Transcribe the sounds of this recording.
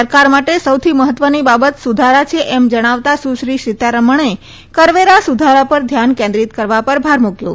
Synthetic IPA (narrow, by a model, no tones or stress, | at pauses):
əɾkaɾmaʈesəwt̪ʰiməɦət̪ʋənibabət̪sud̪ʱaɾat͡ʃʰeʔɛmd͡ʒəɽ̃aʋt̪asuʃɾiʃit̪aɾəməɳ̃e | kəɾʋeɾasud̪ʱaɾapəɾd̪ʱjankẽnd̪ɾit̪kəɾʋapəɾbʱaɾmukjṵ̃